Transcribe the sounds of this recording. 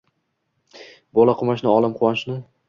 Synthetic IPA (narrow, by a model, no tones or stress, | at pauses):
bɒlˠaqʰʊmaʃnɪɒlˠɪmqʰʊwaʃnɪ